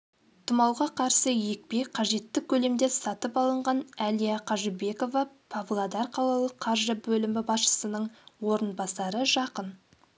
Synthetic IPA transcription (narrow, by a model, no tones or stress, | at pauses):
t̪ʰʊmɑwʁɑqʰɑɾsəje̞k̚pe̞qʰɑʒe̞t̪ːɪkʲʰɵle̞md̪e̞sɑt̪əpɑlˠəɴʁɑnælijaqʰɑʒɪbe̞ko̞vɑpʰavlˠad̪ɑɾqʰɑlˠɑlˠəqʰːɑɾʒəbɵlɪmɪbɑsʃə̥sənəɴwo̞ɾənbɑsɑɾəʒɑqən